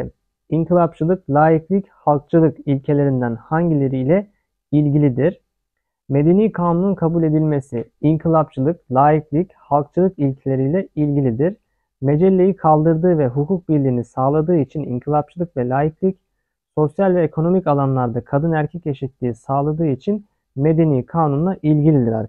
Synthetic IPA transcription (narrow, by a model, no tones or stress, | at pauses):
iŋkʰilˠap̚t͡ʃʰɯlˠɯklʲaːjiklʲichalˠk̚t͡ʃʰɯlˠɯkilʲcʰe̞lʲe̞ɾind̪ænhaɲɟilʲeɾijlʲɛ | ilʲɟilʲid̪iɾ̥ | me̞d̪e̞niːkʰaːnununkʰabulʲe̞d̪ilʲme̞siiŋkʰilˠap̚t͡ʃʰɯlˠɯklʲˠaːjiklʲichalˠk̚t͡ʃʰɯlˠɯkilʲcʰilʲe̞ɾiːlʲɛilʲɟilʲid̪iɾ̥ | me̞d͡ʒɛlʲːe̞jikʰalˠd̪ɯɾd̪ɯːvɛɦukʰuk̚biɾlʲiːnisaːlˠad̪ɯːit͡ʃʰinḭŋkʰilˠap̚t͡ʃʰɯlˠɯkvɛlʲaːjiklʲic | so̞sjalʲvɛekʰo̞no̞micalˠanlˠaɾd̪akʰad̪ɯnæɾcʰɛce̞ʃit̪ːiːsaːlˠad̪ɯːit͡ʃʰin | me̞d̪e̞niːkʰaːnunlˠaʔilʲɟilʲid̪iɾa̰ɾ